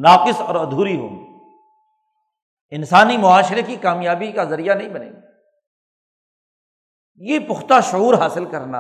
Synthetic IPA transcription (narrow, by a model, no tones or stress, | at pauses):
naːqɪsɔːɾɐd̪ʱuːɾiɦo̰ːm | ɪnsaːnimʊaːʃɪɾekikaːmjaːbikazɐɾijanɐɦĩbɐnḛː | jepʊxt̪aʃʊuːɾɦaːsɪlkɐɾna̰